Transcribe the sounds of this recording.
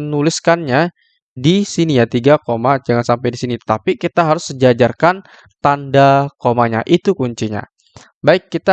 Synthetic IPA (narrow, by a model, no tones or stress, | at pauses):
ənulɪskanɲa | disinijat̪iɡakomad͡ʒaŋansampajdisinit̪ət̪apikit̪aɦaɾʊsəd͡ʒad͡ʒarkan | t̪andakomaɲa̰ʔit̪ukuɲt͡ʃiɲa̰ | baɪkːit̪a